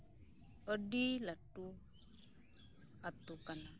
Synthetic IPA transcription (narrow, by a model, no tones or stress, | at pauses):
əɖilaʈːu | at̪ukana